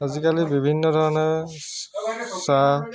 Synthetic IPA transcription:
azikalibibʱinːɔdʱɔɹɔnɔɹ | sa

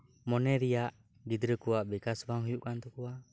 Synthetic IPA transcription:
mɔnɛɾijaʔ | ɡid̪ɾəkuaʔbɛkasbaŋɦujuʔkant̪ukuaʔ

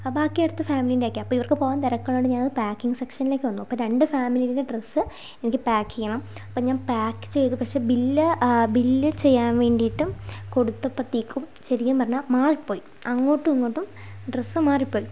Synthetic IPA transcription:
baːkːijajɽɨt̪ːɨfaːmilindeaːkːamɐpːoːiʋɐrkɨpo̞ːɣaːnt̪ɐɾɐkːɐɭːoːɽeɲaːnɐðɨpaːkːiŋɡɨsekʂɐnile̞ːkʲːɨʋɐnːuɐpːoɾe̞ɳɖɨfaːmilijɾindeɖresːɨ | e̞nikʲːɨpaːkʰːijɐɳɐmɐpːoːɲaːnpaːkːɨ̥t͡ɕe̞jt̪ːupɐkʂe̞ːbilːɨbilːɨt͡ɕe̞jːaːnʋe̞ːɳɖijiʈːumko̞ɽut̪ːɐpːrɐt̪ːiːkːum | ɕɐɾikʲːumpɐrɐɲːaːmaːripːoːji | ɐŋːo̞ːʈːɨunːoʈːum | ɖresːɨmaːripːo̞ːji

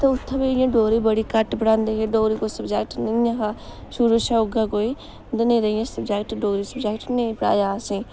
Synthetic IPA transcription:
t̪eʊt̪ʰːãbiijãːɖoːɾiːbəɽiːkəʈbəɽãːnd̪eɦeɖoːɾiːkosəbd͡ʒɛːk̚ʈnẽjãɦaːʃʊɾuʃaːʊɡakoːiː | d̪nẽɾəijãːsəbd͡ʒɛːk̚ʈɖoːɾiːsəbd͡ʒɛːkʈnẽpəɽa̰ːjaːsĩː

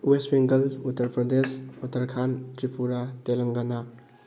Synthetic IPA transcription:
westwiŋɡɐlutːɐɾpɾɐd̪esutːɐɾkʰantɾipʰuɾatelɐŋɡɐna

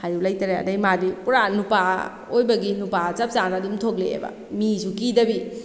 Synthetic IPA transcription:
hajulajtaɾeɐ̰dajmadipuɾanupa | ojbɐɡinupat͡ʃap̚sanadumtʰokleḛbɐ̰ | misukidɐbi

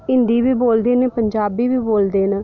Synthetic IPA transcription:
ɪnd̪iːʋiːboːld̪eːneːpəɲd͡ʒaːbiːʋiːboːld̪eːn

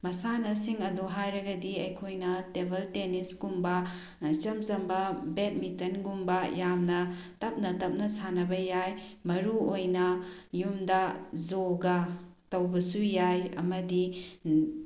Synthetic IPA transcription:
mɐsanɐsiŋɐduɦajɾɐɡɐdiɐjkʰojnɐtebʱɐltenisɡumbɐ | t͡ʃɐmzɐmbɐbet̚mitɐnɡumbɐjamnɐtɐp̚nɐtɐp̚nɐsanɐbɐjajmɐɾuojnɐjumdɐzoɡɐ | tɐwbɐsujajɐ̰mɐdi

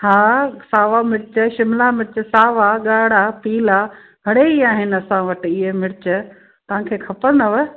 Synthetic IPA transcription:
hãːsaːʋamɪɾɪt͡ɕəʃɪmlamɪɾɪt͡ɕəsaːʋaɠaːɽapiːla | ɦɐɽeiaːɦɪnɐsãʋɐʈɪɪɦemɪɾɪt͡ɕə | t̪ɐʋ̤ãkʰeːkʰɐpə̃nd̪əʋə

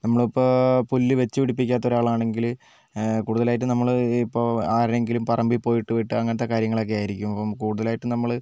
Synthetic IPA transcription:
nɐmːɐɭipːopolːiʋe̞t͡ɕːɨʋiɽipːikʲːaːt̪ːo̞ɾaːɭaːɳe̞ŋɡil | kuːɽuðɐlaːjiʈ̬ːɨnɐmːɐɭipːoaːɾeŋɡilumpɐrɐmbipo̞ːjiʈːɨʋiʈːɨɐŋːɐnt̪ːe̞kaːɾjɐŋːɐɭo̞k̬ːe̞jaːjiɾikʲːumɐpːɐmkuːɽuðɐlaːjiʈːɨnɐmːɐɭ

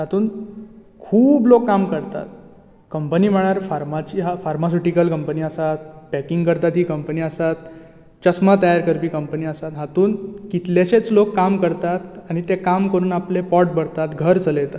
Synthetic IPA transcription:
ɦat̪uːn | kʰuːblokːamkəɾt̪a̰t̪̚ | kəmpəniːm̤əɭjaɾfaɾmat͡ɕiːɦafaɾmas̬uʈikəlkəmpəniːəsat̪̚pækiŋɡkəɾt̪at̪ɦiːkəmpəniːəsat̪ | t͡ɕəsmat̪əjaɾkəɾpiːkəmpəniːəsat̪ɦat̪uːnkit̪leɕet͡slokːamkəɾt̪at̪aɽ̃it̪ekamkəɾuːnaplepɔʈ̚bəɽt̪at̪ɡʱəɾt͡sələjt̪at̪

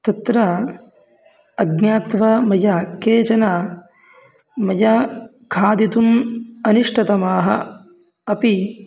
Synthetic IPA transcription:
t̪ɐt̪ɾɐ | ɐɡnaːt̪ʋɐmɐjɐkeːt͡ʃɐna | mɐjɐ | kʰaːd̪it̪umɐniʂʈʰɐt̪ɐmaːɦɐ̰ | ɐpi

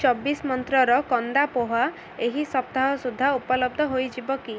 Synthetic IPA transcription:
t͡ʃɔbismɔnt̪ɾɔɾɔkɔnd̪apoɦa | eɦisɔpt̪aɦɔsud̪ʱːaupɔlɔb̚d̪ʱɔɦojd͡ʒibɔki

